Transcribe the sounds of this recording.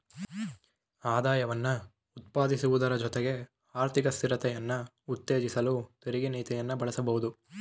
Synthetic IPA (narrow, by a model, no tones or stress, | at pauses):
aːd̪aːjɐʋɐnːɐ | ut̪̚paːd̪isuʋud̪ɐɾɐd͡ʒɔt̪eɡe̞ | aːɾt̪ʰikɐst̪iɾɐt̪ɛjɐnːɐ | ut̪ːe̞ːd͡ʒisɐluːt̪iɾiɡiniːt̪ijɐnːɐbɐɭɐsɐbɐɦud̪u